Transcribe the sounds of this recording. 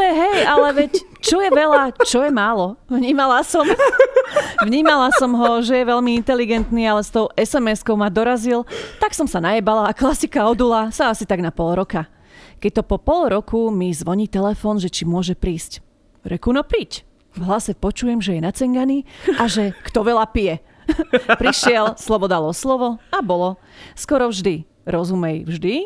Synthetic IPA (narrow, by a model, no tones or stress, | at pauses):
ɛɦɛjalɛʋɛc | t͡ʃɔjɛʋɛlat͡ʃɔjɛmaːlɔʋɲiːmalasɔm | ʋɲiːmalasɔmɦɔʒɛjɛʋɛʎmiint̪ɛliɡɛnt̪niːalɛst̪ɔʊʔɛsɛmɛskɔʊmad̪ɔɾazilt̪aksɔmsanajɛbalaːklasikaɔd̪ulasaasit̪aɡnapɔlˠɾɔka | kɛc̚t̪ɔpɔpɔlɾɔkʰumizʋɔɲiːt̪ɛlɛfɔːnʒɛt͡ʃimʊɔʒɛpɾiːsc | ɾɛkunɔpɾic | vɦlasɛpɔt͡ʃujɛmʒɛjɛnat͡sɛŋɡaniʔaʒɛkt̪ɔʋɛʎapijɛ | pɾiʃɪɛlslɔbɔd̪alɔslɔʋɔabɔlɔ | skɔɾɔvʒd̪i | ɾɔzumɛjvʒd̪i